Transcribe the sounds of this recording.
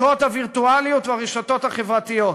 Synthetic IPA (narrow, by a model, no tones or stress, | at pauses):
ot̪haviʁt̪ualijut̪veaʁeʃot̪o̞t̪haχevʁat̪ijo